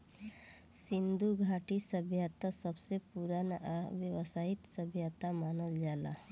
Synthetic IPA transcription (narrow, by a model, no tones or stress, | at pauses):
sind̪uɡʱaʈisəbʱjat̪asəbsepuɾanaʋjəʋəsait̪səbʱjat̪amanəld͡ʒala̰